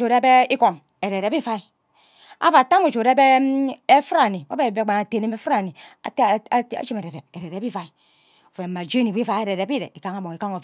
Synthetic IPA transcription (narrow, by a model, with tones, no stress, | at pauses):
o˨ɾbe˦i˦ko˨n | e˨ɾe˨ɾe˨˦bi˦fa˦i˦ | a̰˦va˨ta˦mu˨d͡ʒo˨ɾe˦be˦e˦fɾa˦˨ni˨a˦be˦˨be˦ɡ͡ba˨na˨te˨ne˦me˦fɾa˨ni˨a̰˨˦˨a̰˦t͡ʃi˦me˨ɾe˨ɾe˨p̚e˨ɾe˨ɾe˨bi˦fa˦i˨˦ | o˨fe˨mːa˨d͡ʒe˦ni˨bi˦fa˦e˨ɾe˨ɾe˨bi˦ɾḛ˨i˨ka˦ŋa˦bo˨ŋi˨ka˦ŋo˨